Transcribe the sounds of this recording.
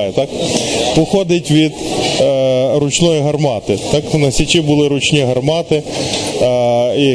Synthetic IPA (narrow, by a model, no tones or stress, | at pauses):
jɛt̪ɑkpɔxɔd̪ɪtʲʋʲid̪ | ɾʊt͡ʃnɔjiɦɐrmɑt̪ɪt̪ɑknɐsʲit͡ʃibʊlˠɪɾʊt͡ʃnʲiɦɐrmɑt̪ɪ | i